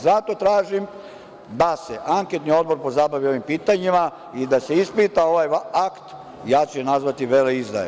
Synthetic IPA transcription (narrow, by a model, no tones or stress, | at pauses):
zat̪o̞t̪ɾaːʒim | d̪ase̞ʔaŋke̞t̪nio̞d̪bo̞ɾpo̞zabaʋio̞ʋimpiːt̪aɲima | id̪ase̞ispit̪ao̞ʋajakt̪ | jaːt͡ɕenazʋat̪iʋeːleizd̪a̰jḛ